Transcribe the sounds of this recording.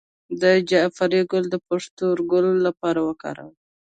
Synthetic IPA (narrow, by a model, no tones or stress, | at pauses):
d̪əd͡ʒafaɾiɡʊld̪əpaʂt̪uɾɡʊlːapɑɾawəkɑ̰ɾa̰w